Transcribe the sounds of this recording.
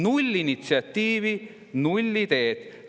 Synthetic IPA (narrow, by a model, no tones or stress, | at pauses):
nulʲːinit̪siɑt̪ːiːvi | nulʲːit̪e̞ːt̪